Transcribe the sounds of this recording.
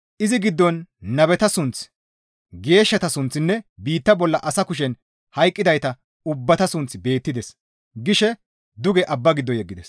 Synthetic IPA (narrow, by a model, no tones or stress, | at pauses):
ʔɪzɪɡɪd̪ːɔnːɐbɛt̪ɐsʊnt͡s | ɡe̞ːʃːɐt̪ɐsʊnt͡sːɪnːɛbiːt̪ːɐbɔlːɐʔɐsɐkʊʃ̬ɛn | hɐjkʼːɪd̪ɐjt̪ɐ | ʊbːɐt̪ɐsʊnt͡sbe̞ːt̪ːɪd̪ɛs | ɡɪʃɛ | d̪ʊɡɛʔɐbːɐɡɪd̪ːɔjɛɡːɪd̪ɛs